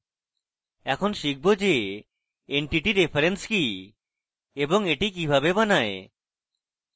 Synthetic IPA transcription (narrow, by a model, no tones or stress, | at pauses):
ɛkʰonʃik̚ʰbod͡ʒe | eɳʈiʈiɾepʰaɾenski | eboŋeʈik̬ibʱabebanae